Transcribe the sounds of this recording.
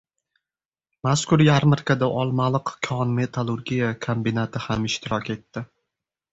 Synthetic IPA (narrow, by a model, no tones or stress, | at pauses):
maskʊɾjaɾmɪɾkʰad̪aʔɒlˠmalˠɨqkʲʰɒnme̞t̪ʰalˠʊɾɡʲijakʰombɪnat̪ʰɪhamɪʃt̪ʰɪɾɒkʲe̞t̪ːɪ